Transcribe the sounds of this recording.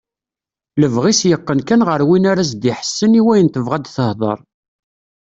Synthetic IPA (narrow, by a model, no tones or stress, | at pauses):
ləvʁisjəqːənkænʁəɾwinaɾæs̬d̪iħə̥sːəniwæjənt̪əvʁad̪θəhðˤə̰ɾˤ